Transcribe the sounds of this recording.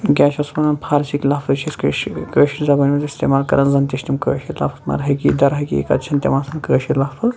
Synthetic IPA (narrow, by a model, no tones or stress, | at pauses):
ɡʲaːt͡ʃʰɐspɐnɐnpʰaːɾt͡ʃiklɐfʰɨt͡ʃʰiskəːʃkəːʃizɐbɐnʲmɐzist̪eːmaːlkɐ̰ɾɐnzɐnt̪iʃt̪imkə̰ːʃilɐ̰fʰɐ̥t̪mɐ̰ɾɦɐɡiːd̪ɐɾɦɐɡḭḛkɐ̰t̪t͡ʃʰɐnt̪ʲḛmansʰɐnkəːʃilɐfʰɨz